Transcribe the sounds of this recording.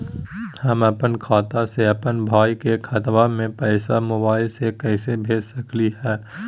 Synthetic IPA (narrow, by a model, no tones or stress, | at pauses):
hɐmɐpənkʰaːt̪aseɐpənbʱaːikekʰət̪ʋamẽpɛːsamʊbaːɪlsekɛːsebʱeːd͡ʒsɐkliɦɛː